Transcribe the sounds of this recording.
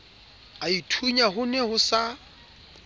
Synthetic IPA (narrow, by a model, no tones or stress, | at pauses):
aitʰuɲaɦʊnɛhʊsa